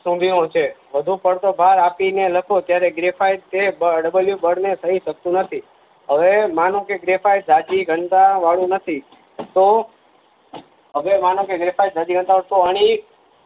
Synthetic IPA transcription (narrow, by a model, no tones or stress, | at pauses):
sũbʱiõt͡ʃʰeʋəd̪ʱũpəɽt̪obʱaɾapineləkʰot̪jaɾeɡɾefajt̪ebəɖəbəljubəɽnesʰəɦiʃək̚t̪ũnət̪ʰi | ɦəʋemanõkeɡɾefajd͡ʒad͡ʒiɡʱənt̪aʋaɭũnət̪ʰi | t̪o | ɦəʋemanõkeɡɾefajd͡ʒad͡ʒiɡʱənt̪aʋaɽt̪oəɽ̃i